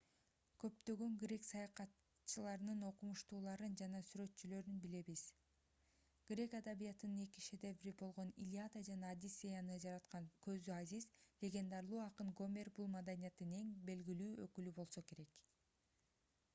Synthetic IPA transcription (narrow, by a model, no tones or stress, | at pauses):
kʰø̞pt̪ø̞ɡø̞ŋɡrʲe̞ksɑjɑqɑt̪ | t͡ʃɯlˠɑɾɯnɯno̞qumuʃt̪uːlˠɑɾɯnd͡ʒɑnɑsyɾø̞t̪t͡ʃylø̞ɾynbile̞βiz̥ | ɡ̥rʲe̞kad̪aβijɑt̪ɯnɯne̞kiʃe̞d̪e̞vɾibo̞lˠʁo̞nḭlʲiad̪ad͡ʒɑnɑːd̪isʲːejanɯd͡ʒɑɾɑt̪qɑŋkʰø̞zd̪yazizlʲe̞ɡʲe̞nd̪ɑɾlˠuːɑqɯnɡo̞mʲe̞rbulˠmad̪anʲijat̪ːɯne̞ŋbe̞lɡilyːøkylybo̞lˠso̞ke̞ɾe̞k